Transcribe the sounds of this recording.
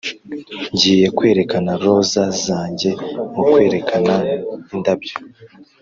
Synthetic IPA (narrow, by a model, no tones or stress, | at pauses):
ɲɟiːje̞kwe̞ːɾe̞kanaɾo̞zazaːɲɟe̞mukwe̞ːɾe̞kʰanaindabɟo